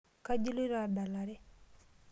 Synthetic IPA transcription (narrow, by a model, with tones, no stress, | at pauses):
ka˦d͡ʒu˦lu˦ɾaɾda˨laɾi˦